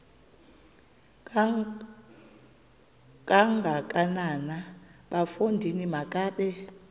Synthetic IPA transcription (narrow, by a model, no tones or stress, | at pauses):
kʼaŋɡʱakʼananaɓafondʱinimakʼaːɓɛ